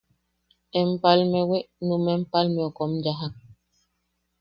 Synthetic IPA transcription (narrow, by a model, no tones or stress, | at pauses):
empalmeweʔnumempalmeokomjaɦaŋ